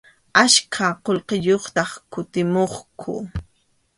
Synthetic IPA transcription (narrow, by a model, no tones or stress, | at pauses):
aʃkʰaqolqɪʎoχt̪ɑχkʊt̪ɪmoχkʰʊ̰